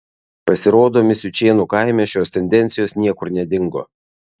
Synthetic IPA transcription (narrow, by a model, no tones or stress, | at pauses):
pɐsʲɪɾoːd̪oːmʲɪsʲʊt͡ʃʲeːnuːkaɪmʲɛʃʲoːst̪ʲɛnʲd̪ʲɛnʲt̪sʲɪjoːsnʲiɛkʊɾnʲɛd̪ʲɪŋɡo̰ː